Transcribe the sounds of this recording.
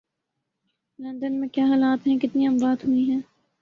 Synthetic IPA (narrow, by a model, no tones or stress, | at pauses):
lɐ̃nd̪ənmẽkjaːɦaːlaːt̪ɦɛ̃kɪt̪niɦɐ̃mbaːt̪ɦuiɦɛ̃ː